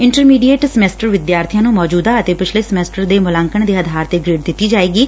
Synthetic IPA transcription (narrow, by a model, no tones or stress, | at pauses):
ɪɳʈəɾmiːɖiːeːʈsəmɛːsʈəɾʋɪd̪jaːɾt̪ʰijãːnũːmɔːd͡ʒuːd̪aːət̪eːpɪt͡ʃʰleːsəmɛːsʈəɾd̪eːmʊlãːŋkəɳd̪eːəd̪ʱaːɾt̪eːɡɾeːɖd̪ɪt̪ːiːd͡ʒaːeːɡiː